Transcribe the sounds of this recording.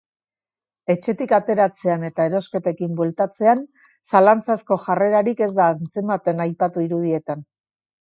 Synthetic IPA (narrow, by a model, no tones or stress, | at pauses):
e̞t͡ʃe̞t̪ikat̪e̞ɾat͡se̞ane̞t̪aeɾo̞ske̞t̪e̞kimbwelt̪at͡se̞an | salant͡sasko̞ʝare̞ɾaɾike̞zd̪aːnt͡se̞mat̪e̞najpat̪uiɾuð̞ie̞t̪an